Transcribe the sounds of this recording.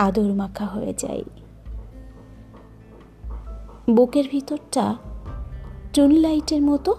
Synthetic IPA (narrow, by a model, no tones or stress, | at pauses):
ad̪oɾmakʰaɦojḛd͡ʑa̰j | bokeɾbʱit̪oɾʈa | ʈɾunlajʈeɾmɔt̪o